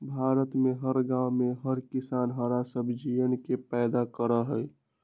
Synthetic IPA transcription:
bʱaːɾət̪meɦəɾɡãʊmeɦəɾkisanɦəɾasəbʱd͡ʒijənkepɛːd̪akəɾəɦəj

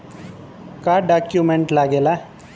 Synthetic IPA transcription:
kaɖakjumeɳʈlaɡela

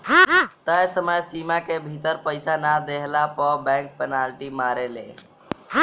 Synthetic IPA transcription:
t̪əjsəməjsimakebʱit̪əɾpəjsanad̪eɦlapəbɛ̃ŋk̚pənalʈimaɾelḛ

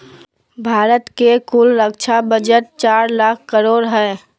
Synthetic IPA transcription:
bʱaːɾət̪kekulɾəkt͡ʃʰabəd͡ʒəʈ̪̚t͡ʃaːɾlaːkʰkəɾoːɾɦɛ

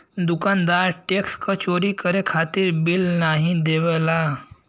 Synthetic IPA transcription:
d̪ukand̪aɾʈekskət͡ʃoɾikəɾekʰat̪iɾbilnaɦĩd̪eʋɛla

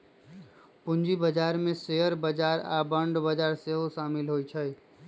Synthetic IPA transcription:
pʊ̃nd͡ʒibəd͡ʒaːɾmẽseːɦəɾbəd͡ʒaːɾa̰bə̃ɳɖbəd͡ʒaːɾseɦoʃaːmɪlɦoːit͡ʃʰəi

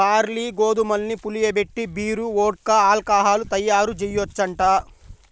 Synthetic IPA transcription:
aːɾliːɡoːd̪umɐlnipulijɐbeʈːibiːɾuoːʈ̚kaːlkaːɦaːlut̪ɐjːaːɾud͡ʒɛjːɔt͡ʃːɐɳʈaː

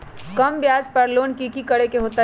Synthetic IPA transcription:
kɐmbjaːd͡ʒpɐɾloːnkikikɐɽekeɦoːt̪a

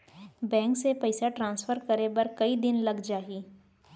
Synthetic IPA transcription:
bɛ̃ːŋksepɐɪsaʈɾãːnsfəɾkɐɾebɐɾkɐid̪ɪnlɐɡd͡ʒaːɦiː

